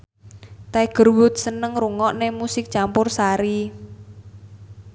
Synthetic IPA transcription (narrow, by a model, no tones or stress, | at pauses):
t̪aɡ̥ə̤rwʊt̪̚sənəŋruŋɔʔnemusɪk̚t͡ʃampʊrsaɾi